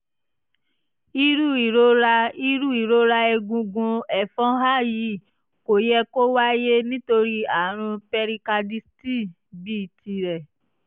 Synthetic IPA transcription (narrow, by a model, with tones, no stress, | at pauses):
i˧ɾu˦i˨ɾo˦ɾa˧i˦ɾu˦i˨ɾo˦ɾa˧ɛ˧ɡũ˧ɡũ˧ɛ˨fɔ̃˦ɦa˦˨ji˨ | ko˨jɛ˧ko˦wa˦je˦nĩ˦to˧ɾi˦a˨˦ɾ̃ũ˧pɛ˧ɾi˧ka˧di˧sti˦˨ | bi˦i˦˨ti˧ɾɛ˨